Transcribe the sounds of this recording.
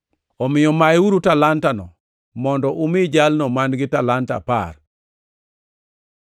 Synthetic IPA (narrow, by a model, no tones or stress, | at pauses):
ɔmɪjɔmajuɾutalantanɔ̰ | mɔndɔʔumɪd͡ʒalnɔmanɡɪtalanta̰pa̰r